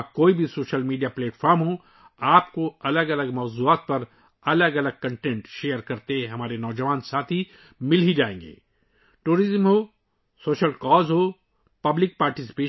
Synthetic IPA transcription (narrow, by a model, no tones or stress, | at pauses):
koːibʱisoːʃəlmiːɖijapleːʈfʰɔːɾmɦõ | aːpkoɐləɡɐləɡmɔːzuːaːt̪̚pɐɾ | ɐləɡɐləɡ̚kɐ̃ɳʈɛ̃ːɳʈʃeːjəɾkɐɾt̪ẽɦɐmaːɾenɔːd͡ʒɐʋaːnsaːt̪ʰi | mɪlɦid͡ʒaːḛ̃ːŋɡḛː | ʈuːɾɪzmɦoː | soːʃəlkɔːzɦo | pɐblɪk̚paːɾʈɪsɪ̥peː